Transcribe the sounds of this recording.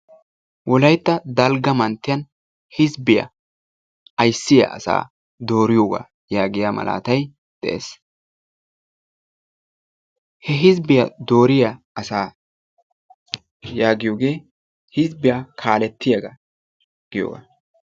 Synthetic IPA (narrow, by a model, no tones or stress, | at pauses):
wʔɔlɐjt̪ːɐd̪ɐlɡɐmɐnt̪ːɪjɐn | hɪzbɪjɐ̰ | ɐjsːɪjɐ̰ʔɐ̰sa̰ː | d̪o̞ːɾɪjoːɡa̰ː | jaːɡɪjaːmɐ̰lʔa̰ːt̪ɐj | d̪̥ɛ̰ʔḛs | hɛɦɪzbɪjɐd̪o̞ːɾɪja | ɐsaː | jaːɡɪjoːɡe̞ː | hɪzbɪjakʰaːlɛt̪ːɪjaɡa | ɡ̥ɪjo̰ːɡa̰ː